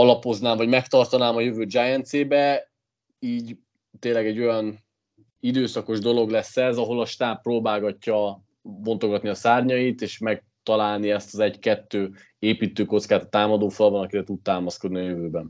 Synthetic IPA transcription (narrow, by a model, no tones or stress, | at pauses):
ɒlɒpo̞znaːɱvɒɟmɛkt̪ɒrt̪ɒnaːmɒjøvøːd͡ʒajɛnt̪seːbɛ | iːɟ | t̪eːnlːɛɡɛɟːo̞jɒn | id̪øːsɒko̞ʒd̪o̞lo̞ɡlɛsːɛzɒɦo̞lɒʃt̪aːpːroːbaːɡɒcːɒ | bo̞nt̪oɡɒt̪niɒsaːrɲɒit̪eːʃmɛk̚t̪ɒlaːlniɛst̪ɒzɛɟkɛt̪ːøː | eːpiːt̪øːko̞t̪skaːt̪ɒt̪aːmɒd̪oːfɒlbɒnɒkiɾɛt̪ut̪̚t̪aːmɒsko̞d̪niɒjøvøːbɛn